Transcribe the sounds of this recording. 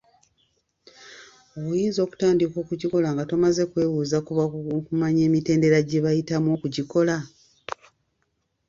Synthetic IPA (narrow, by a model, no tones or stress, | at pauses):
o̞βujiːnzo̞ːku̥taːndiko̞ːkuɟiko̞laŋɡato̞maze̞kwe̞ːβuːzakuβakumaɲe̞ːmite̞ːnde̞ɾaɟe̞βajitamwo̞ːkuɟiko̞la